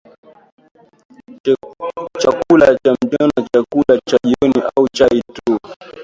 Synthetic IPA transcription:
t͡ʃakulat͡ʃam̩ʄɔnat͡ʃakulat͡ʃaʄiɔniʔaut͡ʃaitu

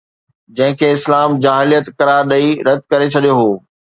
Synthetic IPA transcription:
d͡ʑɐ̃ɦɪ̃kʰeːɪslaːmd͡ʑaːɦɪlijət̪kɐɾaːɾɗɐiɾɐd̪̚ʱkɐɾet͡ɕʰɐɗijoɦoː

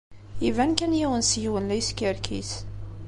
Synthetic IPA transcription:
ivænkænjiwənsjiwənlæjskiɾkʰḭs

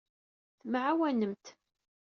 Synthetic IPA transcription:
θmʕawænəmt̪

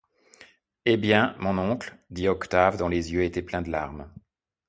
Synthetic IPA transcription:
ebjɛ̃mɔ̃nɔ̃kld̪iɔkt̪avd̪ɔ̃lezjøet̪ɛplɛ̃d̪əla̰ʁm

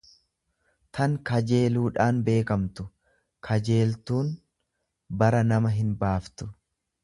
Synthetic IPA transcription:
t̪ʰɐŋkɐd͡ʒe̞ːluːᶑaːnbe̞ːkɐmt̪ʊ̥ | kʰɐd͡ʒe̞ːlt̪uːn | bɐɾɐnɐmɐɦɪnbaːft̪ʊ̥

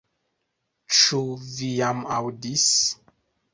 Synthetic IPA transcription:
t͡ʃuvijamawdis

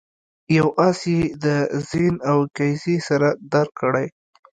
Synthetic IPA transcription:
jawʔɑsjed̪əzenawkajzesaɾad̪aɾkːəɽaj

